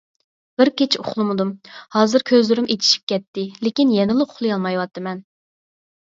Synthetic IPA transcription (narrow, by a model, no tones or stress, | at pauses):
b̥ɪɾkʲet͡ʃʰio̰χlˠɨmɨd̪umhɑːzɨɾkʲʰøzlyɾymet̪ʰi̥ʃi̥p̚kʲɛt̪ːɪlɪkʲinjɛnɪlˠɨʊχlˠɨjɑlˠmɑjwɑt̪ʰːɨmɛn